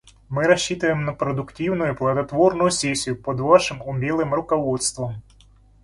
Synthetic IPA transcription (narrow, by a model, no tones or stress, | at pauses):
mɪɾɐɕːit̪ɐjemnɐpɾɔd̪ʊktʲiwnʊjʊplˠɐd̪ɐt̪ʋɔrnʊjʊsʲɛsʲːijʊpɔd̪ʋɑʃɪmʊmʲilˠɪmrʊkɔʋɔt̪st̪ʋɔm